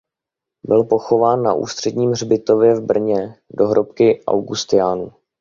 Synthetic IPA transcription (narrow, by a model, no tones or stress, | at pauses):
bɪlpo̞xo̞vaːnːaʔṵːst̪r̥ɛdɲiːmrbɪt̪o̞vjɛvbr̩ɲɛdo̞ɦɾʔop̚kɪʔa̰wɡust̪ɪjaːnuː